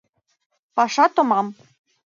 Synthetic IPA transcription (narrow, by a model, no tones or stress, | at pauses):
pɑʃɑt̪ŏmɑm